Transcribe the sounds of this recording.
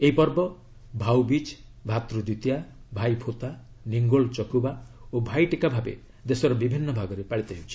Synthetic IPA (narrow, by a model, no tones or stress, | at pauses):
eipɔɾbɔ | bʱawbit͡ʃ | bʱat̪ɾud̪ut̪jabʱajpʰot̪a | niŋɡoɭt͡ʃɔkubaobʱajʈikabʱabḛ | d̪esɔɾɔbibʱinːɔbʱaɡɔɾepaɽit̪aɦiwt͡ʃʰi̥